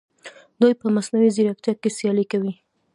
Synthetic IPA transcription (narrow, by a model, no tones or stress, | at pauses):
d̪ujpəmasnawizeɾak̚t̪jɑkesjɑlikawi